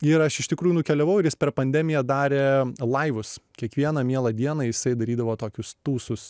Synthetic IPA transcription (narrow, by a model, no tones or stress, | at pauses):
ɪɾɐʃɪʃt̪ʲɪkɾuːjunʊkʲɛlʲɛʋɐʊɪɾjɪspʲɛɾpɐnʲd̪ʲɛmʲɪjɛd̪ɑːɾʲeːlˠɐɪʋʊskʲiɛkʋʲiɛnɐmʲiɛlˠɐd̪ʲiɛnɑːjɪsɐɪd̪ɐɾʲiːd̪ɐʋoːt̪oːkʲʊst̪uːsʊs